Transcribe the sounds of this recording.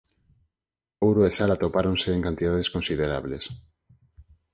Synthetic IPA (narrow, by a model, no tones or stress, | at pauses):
owɾoesalat̪opaɾonseːŋkant̪iðaðeskonsiðeɾa̰βles